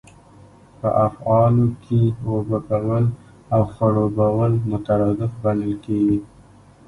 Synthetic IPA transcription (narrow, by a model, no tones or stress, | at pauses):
pə̰ʔafɑlokʰewababawəl | awxaɽobawəlmʊt̪aɾɑd̪ɪfbanəlkeɡi